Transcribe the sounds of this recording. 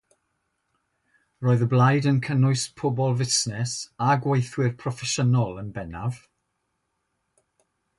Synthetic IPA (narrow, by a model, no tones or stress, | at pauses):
roːɨðəblˠajdənkʰənʊɨspʰɔbɔlˠvɪsnɛsaɡwejθwɪrpʰrɔfɛʃənɔlˠənbɛnav̥